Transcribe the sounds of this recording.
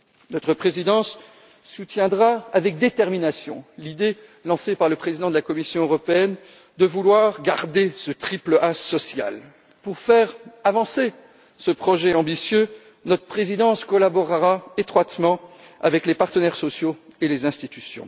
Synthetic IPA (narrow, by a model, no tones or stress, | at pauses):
nɔt̪χəpχezid̪ɑ̃sː | ut̪jɛ̃d̪ʁaavɛk̚d̪et̪ɛʁminasjɔ̰̃lid̪elɑ̃sepaʁləpχezid̪ɑ̃d̪əlakɔmisjɔ̃øʁɔpeɛn | d̪əvulwaʁɡaʁd̪esət̪χipləʔasɔsja̰l | puʁfɛʁavɑ̃se | səpχɔʒɛɑ̃bisjø | nɔt̪χəpχezid̪ɑ̃skɔlabɔʁʁaet̪χwat̪mɑ̃ | a̰vɛklepaʁt̪ənɛʁsɔsjoelezɛ̃st̪it̪ysjɔ̰̃